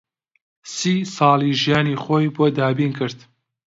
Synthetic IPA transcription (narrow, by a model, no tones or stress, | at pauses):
siːsɑːlˠiʒijaːniːxoːjboːd̪aːbiːnkʰɨɾd̪̥